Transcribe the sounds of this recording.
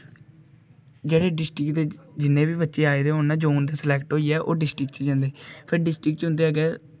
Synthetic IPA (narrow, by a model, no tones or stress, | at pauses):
d͡ʒeːɽeːɖɪsʈɾɪkt̪eːd͡ʒɪnːẽːbiːbətːʃeːaːeːd̪eːɦoːãːd͡ʒoːnd̪aːsəlɛːkʈɦoːiːɛːʔoːɖɪsʈɪkt͡ʃd͡ʒãːnd̪eːpʰəɾɖɪsʈɾɪkt͡ʃɦʊ̃nd̪eːəːɡɛː